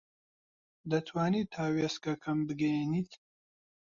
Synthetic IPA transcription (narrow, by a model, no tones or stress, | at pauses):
d̪ɐt̪ʰwaːniːt̪ʰaːweskɐkʰɐmbɨɡenit̪ʰ